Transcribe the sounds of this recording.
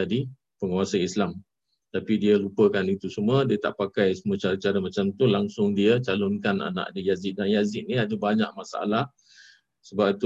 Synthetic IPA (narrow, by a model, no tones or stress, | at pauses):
adi | pəŋuwasanislam | t̪apidiəlupəkanit̪usumədiət̪a̰ʔpakajsəmuət͡ʃaɾət͡ʃaɾəmat͡ʃamt̪ulaŋsʊŋdiət͡ʃalʊnkana̰nã̰ʔadəjazɪt̪̚danjazɪt̪̚niadəbaɲa̰ʔ̚masaa̰lah | səbapit̪u